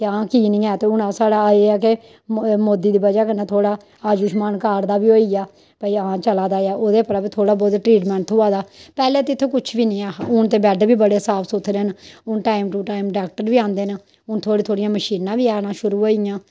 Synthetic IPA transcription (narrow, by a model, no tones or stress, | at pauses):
t̪eãːkiːnĩːaːt̪eːʊnãːsaːɽaːeːaːke | moːd̪iːd̪iːbəd͡ʒaːkənaːt̪ʰoːɽaː | aːd͡ʒʊʃmaːnkaːɾd̪aːʋiːoːiːjaː | paːiãːt͡ʃəlaːd̪aːaːʔoːd̪eːpəɾaːbiːt̪ʰoːɽaːbɔːd̪ʈɾiːʈmɛ̃ːɳʈ̪ʰɦoːaːd̪aːpɛːleːt̪eɪt̪ʰːõːkʊt͡ʃʰʋiːnɪ̃ːaːʊnt̪eːbɛːɖbiːbəɽeːsaːpʰsot̪ʰɾeːnʊnʈaːɪmʈuːʈaːimɖaːk̚ʈəɾʋiːãːnd̪eːna | ʊnt̪ʰoːɽiːt̪ʰoːɽijãːməʃiːnãːʋiːaːnãːʃʊɾuːɦoːijãː